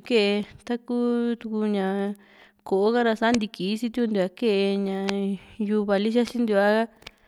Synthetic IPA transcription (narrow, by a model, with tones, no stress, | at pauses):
ke˦ʔe˧t̪a˦ku˦t̪u˧ku˧ɲã˧˨ | ko˨o˦ka˦ɾa˧sa˦nd̪i˧ki˨˦t͡ʃi˦t̪u˦ku˧nd̪u˧a˧˦ke˦ʔe˧ɲã˧ju˧βa˨li˦ʃa˦t͡ʃi˦nd̪u˧a˦ɣa˦